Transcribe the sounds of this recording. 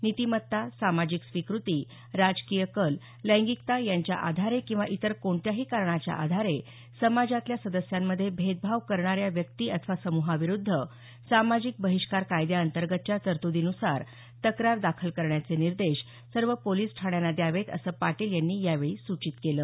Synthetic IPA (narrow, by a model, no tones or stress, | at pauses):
nit̪imət̪ːasamad͡ʑiksʋikɾut̪iː | ɾad͡zkijəkəl | lə̃ŋɡikt̪ajaɲt͡ɕja̰ʔa̰d̪ʱaɾekĩw̃ʋaʔit̪əɾkoɳt̪jaɦiːkaɾɳat͡ɕja̰ʔa̰d̪ʱaɾe | səmad͡ʑat̪ljasəd̪əsjamːəd̪ʱːjebʱet̪̚bʱaʋkəɾɳaɾjaʋjəkt̪iːʔət̪ʰəʋasəmuɦaʋiɾud̪ʱːə | samad͡ʑik̚bəɦiʂkaɾkajd̪jaənt̪əɾɡət̪̚t͡ɕjat̪əɾt̪ud̪inusaɾ | t̪əkɾaɾd̪akʰəlkəɾɳjat͡seniɾd̪eɕ | səɾʋəpoliːsʈʰaɳjanad̪jaʋet̪ə̰səːpaʈiːljanːiːjaʋeɭiːsut͡ɕit̪keləː